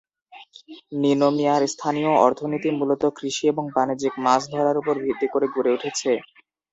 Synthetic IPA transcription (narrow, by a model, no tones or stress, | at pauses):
ninomiaɾst̪ʰanijoɔ̰ɾt̪ʰonit̪imulot̪okɾiʃieboŋbanid͡ʑikmasd̪ʱɔɾaɾupoɾbid̪ikoɾeɡuɾeuʈʰet͡ɕʰe